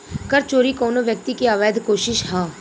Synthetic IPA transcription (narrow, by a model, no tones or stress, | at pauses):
kəɾt͡ʃoːɾikoːnoʋjək̚t̪ikeaːʋɛːd̪koːʃɪʃɦãː